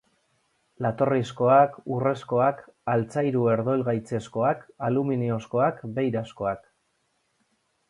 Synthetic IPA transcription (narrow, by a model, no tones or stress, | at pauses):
lat̪o̞risko̞akure̞sko̞akalt͡sajɾue̞ɾðo̞lɣajt͡se̞sko̞akaluminio̞sko̞akbe̞jɾasko̞ak